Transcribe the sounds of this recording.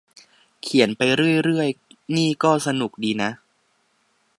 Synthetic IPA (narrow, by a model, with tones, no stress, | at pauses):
kʰi˨˩˦npa˧jɾɯ˥˩əjɾɯ˥˩əjniː˥˩kɔː˥˩sa˧nu˨˩k̚diː˧na˦˥ʔ